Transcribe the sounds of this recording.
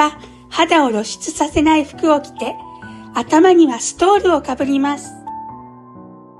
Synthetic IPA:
a | had̪ao̞ɾo̞ɕi̥t͡sɨsase̞naiɸɯ̟̥kɯ̟o̞kʲi̥t̪e̞at̪amaɲ̟iβasɨ̥t̪o̞ːɾɯ̟o̞kabɯ̟ɾʲimasɨ̥

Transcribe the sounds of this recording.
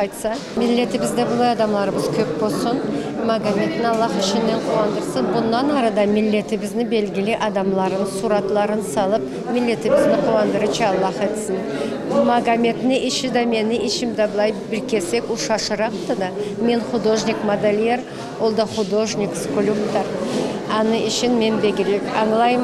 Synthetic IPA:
ɑjt̪sɑ | mɪlːe̞t̪ɪbɪzd̪ebəlˠɑjɑd̪ɑmlˠɑɾəməz̥kʲʰɵp̚bo̞lˠsənmaɡamʲe̞t̪ɪnɑlˠːɑχɪʃɪnːe̞ɴqʰuwɑnd̪əɾsəzbʊnːɑnɑɾɑd̪ɑmɪlːe̞t̪ɪbɪzd̪ɪbe̞lɡʲɪleʔɑd̪ɑmlˠɑɾənsuɾɑt̪lˠɑɾənsɑlˠəp | mɪlːe̞t̪ɪbɪzd̪ɪqʰuwɑnd̪əɾət͡ʃɑɑlˠːɑχet̪sɪn | maɡamʲe̞t̪ɪnɪʔeʃɪd̪ɑme̞nɪʔeʃɪmd̪ɑbəlˠɑjbɪɾkʲe̞se̞kuʃɑʃəɾɑqt̪əd̪ɑme̞nχud̪oʒnʲikmod̪alʲijeɾ | wolˠd̪ɑχud̪oʒnʲikskolʲupt̪ɑɾɑnəʔɪʃɪnme̞nbeɡʲɪɾe̞kɑɴlˠɑjm

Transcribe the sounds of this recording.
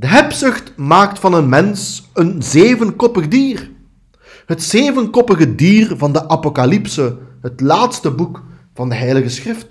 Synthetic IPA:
d̥əɦɛpsɵxtmaːktfɑnənmɛnsənzeːvənkɔpəɣdiːr | ɦətseːvənkɔpəɣədiːrvɑndəʔapokalipsəɦətlaːtstəbukvɑndəɦɛjləɣəsxrɪft

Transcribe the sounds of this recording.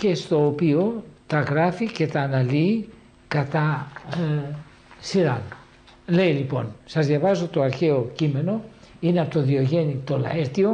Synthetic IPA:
ce̞st̪o̞ːpio̞t̪ɐɣɾɐfice̞t̪ɐːnɐliː | kɐt̪ɐ | siɾɐn | le̞ilipo̞̰nsɐzðʝɐvɐzo̞t̪o̞ɐɾçe̞o̞cime̞no̞ineɐpot̪oðioʝe̞nit̪olɐ̰eɾt̪io̞

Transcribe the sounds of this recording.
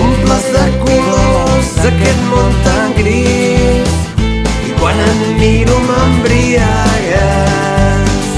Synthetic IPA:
umplasðəkulosd̪ɐkɛt̪̚mont̪aŋɡɾi | ikwanənniɾuməmbɾiajə

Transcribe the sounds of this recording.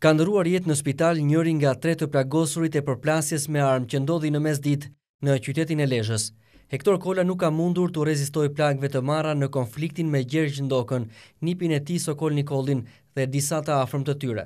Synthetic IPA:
kand̪əɾuaɾjɛt̪nəspit̪alɲəɾiŋɡat̪ɾɛt̪əplaɡɔsuɾit̪ɛpəɾplasjɛsmɛaɾmcənd̪ɔðinəmɛs̬d̪it̪ | nət͡ɕyt̪ɛt̪inɛlɛʒəs | hɛkt̪ɔɾkɔlanukːamund̪uɾt̪urɛzist̪ɔjplaɡvɛt̪əmaranəkɔnflik̚t̪inmɛɟɛɾɟnd̪ɔkənːipinɛt̪isɔkɔlnikɔlˠin | ðɛd̪isat̪əafɾəmt̪ət̪yɾɛ̰

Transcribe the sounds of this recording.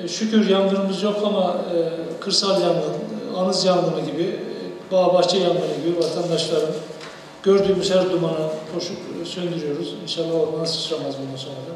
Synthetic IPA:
ʃycʰyɾjand̪ɯɾɯmɯzjo̞kʰama | kʰɯɾsalˠjand̪ɯnanɯzjand̪ɯmɯɟibibaːbakt͡ʃʰajand̪ɯmɯɟibivat̪ʰand̪aʃlˠaɾɯn | ɟ̥øɾd̪yːmyzhæɾd̪umanapʰoʃuksønd̪yɾijo̞ɾuzinʃalˠːaholˠd̪ɯnnasɯ̥t͡ʃʰɯɾamazbond̪anso̞nɾad̪a

